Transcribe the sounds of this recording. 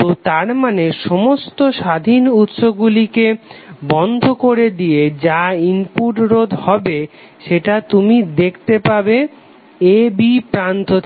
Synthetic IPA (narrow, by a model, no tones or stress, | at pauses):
ot̪aɾmaneʃɔmost̪oʃad̪ʱinut̪ʃoɡɡulikebɔnd̪ʱokoɾed̪ijed͡ʑaimpuʈɾod̪ʱhɔbe | ʃeʈat̪umid̪ekʰt̪epabe | ebipɾant̪ot̪ʰ